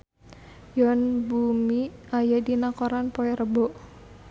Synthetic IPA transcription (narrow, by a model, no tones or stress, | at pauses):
jɔnbumiajadinakɔɾanpɔɛɾəbɔʔ